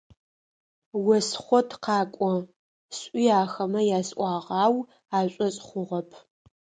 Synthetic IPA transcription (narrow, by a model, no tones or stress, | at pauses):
wɐsχʷɔtʰqɑːkʷʼɔ | sʼiːaːxɐmɐjaːsʔʷʼɑːʁɑːw | aːɕʼɔɕʼχʷʊʁɐpʰ